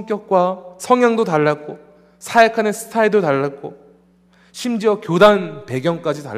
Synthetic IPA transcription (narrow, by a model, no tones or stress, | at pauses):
ŋk͈jʌk̚k͈wasʰʌŋjaŋdotaɭːak͈o | sʰaekʰanɯnsʰɯ̥tʰaedotaɭːak͈o | ɕʰimd͡ʑiʌkjodanpe̞ɡjʌŋk͈ad͡ʑita̰